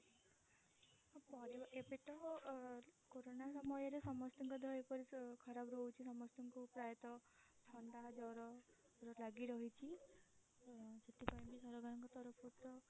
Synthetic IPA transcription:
pɔɾeʔepeʈɔɦɔ | koɾonasɔmɔjɔɾesɔmɔst̪iŋkɔd̪ʱɔepɔɾikʰɔɾabɾowt͡ʃʰisɔmɔst̪ɔŋkupɾajɔt̪ɔt͡ʃʰɔnd̪ad͡ʒɔɾɔ | ɾɔlaɡiɾɔɦit͡ʃʰi | d͡ʒet̪ipajmbisɔɾɔɡanɔŋkɔt̪ɔɾɔpʰɔt̪ɔ

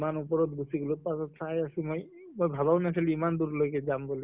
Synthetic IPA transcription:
manupɔɹɔt̪̚busiɡulupasɔt̪ʰajasimoj | mojbʱabaʊnatʰɛliimand̪uɾlojkɛzambɔli

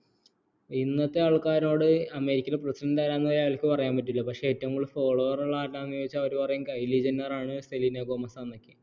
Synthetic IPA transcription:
inːɐt̪ːe̞aɭkːaːɾno̞ːɽɨɐmeɾikʲːɐleprɐsidɐɳɖaːɾaːnːɐðiɐʋɐlɐkʲːɨpɐrɐjaːmpɐtːilːɐpɐkʂeetːɐŋːɐɭfoːɭɐʋɐrɐɭːaːtːaːnːujoit͡ɕːɐʋɐɾupɐrɐjuŋkɐjliːd͡ʑɐnːɐraːɳɨst̪eliːnɐɡomɐsaːnːɐkʲːɨ

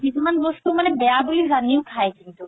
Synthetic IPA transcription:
kit̪ʰumanbɔst̪umanebɛabulizaniokʰaekint̪u

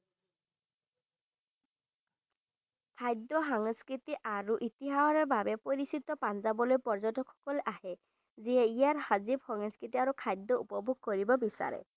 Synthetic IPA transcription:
kʰajd̪ɔɦɔŋskɾit̪iʔaɾuʔit̪iɦaɔɾɔbabepoɾisit̪ɔpanzabɔlojpɔɹd͡ʒɔtɔkʰɔ̥kɔlʔahe | zieijaɾhazibhɔŋɔskit̪iaɾukʰajd̪ːɔupɔbʱoɡ̚kɔɾibɔbisa̰ɾḛ

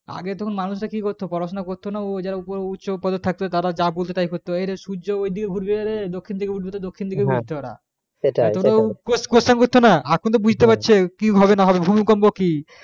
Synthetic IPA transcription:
a̰ɡet̪ɔkʰonmanuʃɾakikoɾt̪ʰopɔɾaʃonakoɾt̪ʰːonad͡ʑaɾaupoɾeutːɕopɔd̪ot̪ʰːeːak̚t̪ʰot̪aɾad͡ʑabolt̪et̪ajkoɾt̪ːoejɾeʃuoojd̪ʱikeɡʱuɖbeaɾed̪okʰːind̪ʰʱikeɡʱuɖbet̪ad̪okʰːind̪ʱikeɡʱuɾt̪ɔɾa̰ | etaomɾokoskosʈankoɾt̪ʰːonaakʰont̪obud͡ʑʱt̪epatːɕʰekiɦɔbenaɦɔbebʱumikɔmboki

